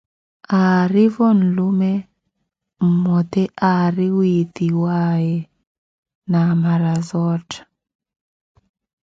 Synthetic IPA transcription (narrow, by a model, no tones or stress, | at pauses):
aɾivɔnlumɛ | mɔt̪ɛʔaɾɪwit̪iwajɛ | namaɾazɔtḁ